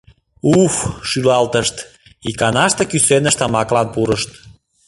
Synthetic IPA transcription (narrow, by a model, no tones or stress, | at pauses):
ufʃylɑlt̪əʃt̪ | ikɑnɑʃt̪ekysenəʃt̪ɑmɑklɑnpuɾəʃt̪